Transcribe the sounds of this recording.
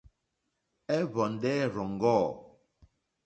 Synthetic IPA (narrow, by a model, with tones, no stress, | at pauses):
ɛ˦βɔ˨n̩˨dɛ˦ɾɔ˨ŋ˨ɡɔː˦˨